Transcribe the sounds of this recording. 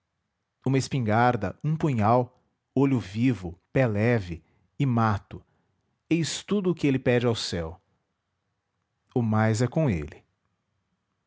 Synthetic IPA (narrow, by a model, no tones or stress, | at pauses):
ũmɐespĩŋɡaɾd̪ɐ̰ũpũɲaw | oʎʊvivʊpɛlɛvɪ | ɪmat̪ʊ | ejst̪ud̪ʊːkɪelɪpɛd͡ʒɪawsɛw | ʊmajzɛkõḛlɪ